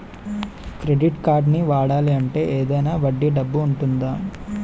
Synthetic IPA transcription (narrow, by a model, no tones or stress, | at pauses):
kɾe̞ɖiʈkaːɾɖniʋaːɽaːliɐɳʈe̞ːʔeːd̪ɐjnaːʋɐɖːiɖɐbːuːɳʈund̪aː